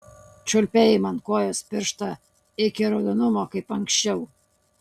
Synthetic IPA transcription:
t͡ʃʲʊlʲpʲejɪmɐnkoːjoːspʲɪɾʃt̪ɐ | ɪkʲɪɾɐd̪onʊmokɐɪpɐŋʲksʲt͡ʃʲɛʊ

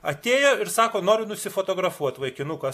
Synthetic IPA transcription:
ɐ̰t̪ʲeːjoːɪɾsɑːkoːnoːɾʲʊnʊsʲɪfoːt̪oːɡɾɐfuɔt̪ʋɐɪkʲɪnʊkɐ

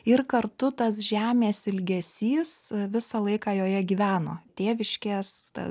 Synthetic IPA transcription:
ɪrkɐrt̪ʊt̪ɐs̬ʒʲæːmʲeːsɪlʲɡʲɛsʲiːsʋʲɪsɑlˠɐɪkɑːjoːjɛɡʲiːʋʲæːnoːt̪ʲeːʋʲɪʃʲkʲeːsɐ̰

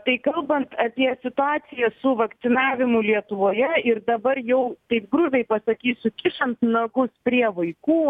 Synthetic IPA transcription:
t̪ɐɪkɐlˠbɐnt̪ɐpʲiɛsʲɪt̪ʊɑːsʲɪjɛsʊʋɐkt̪sʲɪnɑːʋʲɪmʊlʲiɛt̪ʊʋoːjɛɪrd̪ɐbɐrjɛʊt̪ɐɪp̚ɡɾʊʋʲɛɪpɐsɐkʲiːsʲʊkʲɪʃɐnsnɐɡʊspʲɾʲiɛʋɐɪkuː

